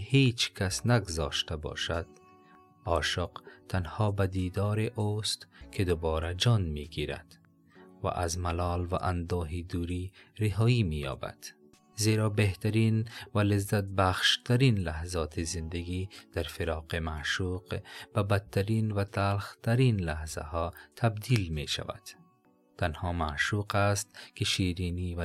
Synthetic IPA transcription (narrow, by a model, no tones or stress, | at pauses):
het͡ʃkasnaɡʊzɑ̰ːʃt̪abɔ̰ːʃad̪̥ | ɒːʃɔqt̪ʰanhɔːbad̪iːd̪ɒːɾeʔost̪kʰed̪ʊbɔːɾad͡ʒɒːnmiɡiɾa̰d̪̥ | va̰ʔazmalɒːlva̰ʔand̪ɔːɦid̪uːɾiɾɪɦɒːimijɒ̰ːba̰d̪̥ | zeːɾɒbeht̪aɾinvalɪzːat̪̚baxʃt̪ʰaɾinlahzɒːt̪ʰizɪnd̪aɡid̪̥aɾfɪɾɑːqemaʃuqb̥abat̪̚ʰːaɾinvat̪ʰalxt̪aɾinlahza̰hɔːt̪ʰabd̪iːlmeʃa̰va̰d̪̥ | t̪ːanhɔːmaʃuqast̪̚keʃiːɾiːniv